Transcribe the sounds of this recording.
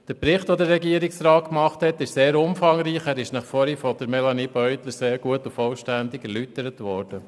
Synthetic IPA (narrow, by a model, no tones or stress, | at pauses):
d̥əɾpɾɪχtʋodəɾːɛɡiəɾɪksrɑːt̚kmɑχthɛtːɪʃseːɾʊmfɑŋɾiːχæːɾɪʃnɑχfɔɾifɔd̥əɾmɛlɑnibœʏt̪ləseːɾɡ̥uətʊfɔlʃtænd̪ɪɡɛɾlytəɾətʋɔːɾd̥ə